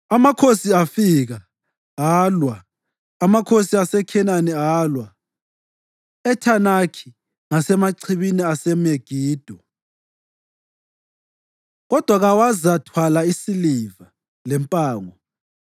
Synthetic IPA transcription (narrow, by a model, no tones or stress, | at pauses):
amakʰosiafiɣa | ɦaːlwaː | makʰosiasɛkʰɛnaniaːlwa | ɛtʰanakʰi̥ | ŋasɛmaǀʰiβiniasɛmeɡ̥ʱiːd̥ʱɔ | ɣɔd̥ʱwaɣawazatʰwalaisiliva | lɛmpʼaːŋɔ